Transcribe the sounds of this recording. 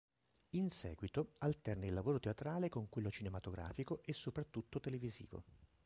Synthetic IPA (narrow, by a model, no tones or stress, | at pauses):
insɛ̰ːɡwit̪oalt̪ɛrnailːavoːɾot̪eat̪ɾaːlekoŋkwelːot͡ʃinemat̪oɡɾa̰ːfikoʔesːopɾat̪ːut̪ːot̪elevizḭːvo̰